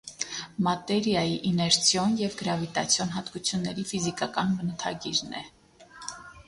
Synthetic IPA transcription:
mɑt̪ɛɾjɑjiʔinɛɾt͡sʰjɔnjɛvɡəɾɑvit̪ɑt͡sʰjɔnɦɑt̪kut͡sʰjunːɛɾifizikɑkɑnmənət̪ʰɑ̰ɡiɾnɛ̰

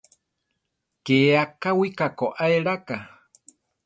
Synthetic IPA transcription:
keakawikakoʔaeɺaka

